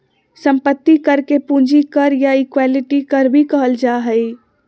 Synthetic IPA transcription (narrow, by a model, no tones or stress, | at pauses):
sə̃mpət̪ːikəɾkepũnd͡ʒʱikəɾjaikwaliʈikəɾbʱikəɦəld͡ʒaɦəj